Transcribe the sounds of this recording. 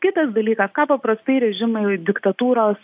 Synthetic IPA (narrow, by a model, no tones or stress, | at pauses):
kʲɪt̪ɐsd̪ɐlʲiːkɐskɑːpɐpɾɐst̪ɐɪɾʲɛʒʲɪmɐɪd̪ʲɪkt̪ɐt̪uːɾoːs